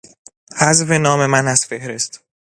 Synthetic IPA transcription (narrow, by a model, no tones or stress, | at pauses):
hæzvenɒːme̞mænæz̥fe̞hɾe̞st̪